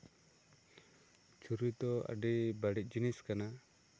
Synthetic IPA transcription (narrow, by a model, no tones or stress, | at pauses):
t͡ʃʰuɾut̪ɔa̰ɖibaɽic̚ˀd͡ʒiniskana